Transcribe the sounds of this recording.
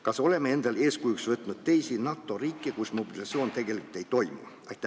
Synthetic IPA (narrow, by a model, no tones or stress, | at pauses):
kɑso̞le̞mːee̞nd̪̥ɑle̞ːskujuksvɤt̪ˑnud̪̥̚t̪e̞jsinɑt̪ːˑo̞riːkːˑekusmobilɑt̪sio̞ːnt̪e̞ɡe̞likult̪e̞jt̪o̞jmṵ | ɑjt̪ː